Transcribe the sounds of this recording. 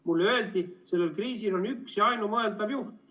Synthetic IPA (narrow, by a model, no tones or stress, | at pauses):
mulːøe̞ld̪̥ise̞lːelkriːsilo̞nyksjɑɑjnumɤeld̪ɑvjuht̪